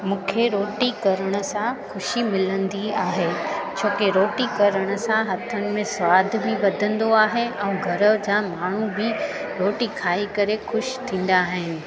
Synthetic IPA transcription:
mũːkʰeɾoːʈikɐɾəɽ̃ʊ̆sãxʊʃimɪlə̃nd̪iaːɦet͡ɕʰoːkeɾoːʈikɐɾəɽ̃ʊ̆sãɦɐt̪ʰənɪ̆mẽsʋaːd̪ʱbɪʋɐd̪ʱə̃nd̪oaːɦeɛ̃ːɡʱɐɾəd͡ʑaːmaːɳ̤ubɪ | ɾoːʈikʰaːikɐɾexʊʃt̪ʰĩːn̆d̪aːɦɪnɪ̆

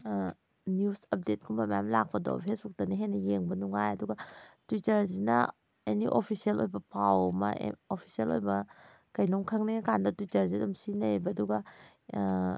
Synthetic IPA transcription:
niusɐp̚det̚kʰumbama̰mlak̚pɐdɔ̰pʰesuk̚dɐneɦenɐjeŋbɐnuŋajɐduɡɐtitɐɾzinɐ̰ | eniʔopʰisielojbɐpʰawmɐ̰opʰi̥sielo̰jbɐ | kɐjloŋkʰɐŋnekandɐtitɐɾzidɐmsinebɐduɡɐ

